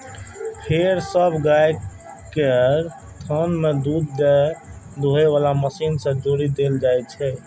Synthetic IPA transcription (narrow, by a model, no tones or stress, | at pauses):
hʰeɾsəbʱɡaj | keɾ | t̪ʰənmed̪ud̪d͡ʒed̪ʱoɦeʋalaməsinsə̃d͡ʒoɾid̪eld͡ʒajt͡ʃʰɛ